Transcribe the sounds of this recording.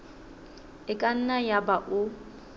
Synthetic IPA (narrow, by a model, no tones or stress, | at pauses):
ɪkʼan̩najabaʔʊ